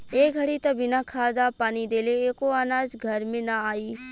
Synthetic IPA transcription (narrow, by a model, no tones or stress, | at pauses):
eːɡʱɐɽit̪ɐbʱɪnakʰaːd̪apaːnid̪eːleeːkoaːnaːd͡ʒɡʱɐɾmẽnaaːiː